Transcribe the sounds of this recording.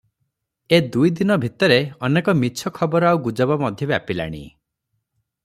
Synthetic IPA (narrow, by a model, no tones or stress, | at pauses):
ed̪ujd̪inɔbʱit̪ɔɾeɔnekɔmit͡ʃʰɔkʰɔbɔɾɔawɡud͡ʒɔbɔmɔd̪ʱjɔbjapila̰ɽ̃ḭ